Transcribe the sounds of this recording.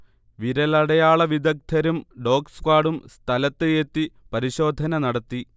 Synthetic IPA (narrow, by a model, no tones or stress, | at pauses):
ʋiɾɐlɐɽɐjaːɭɐʋid̪ɐk̚t̪ʰɐɾumɖo̞ːkskaːɽumst̪ʰɐlɐt̪ːeet̪ːi | pɐɾiɕo̞ːd̪ʱɐnɐnɐɽɐt̪ːi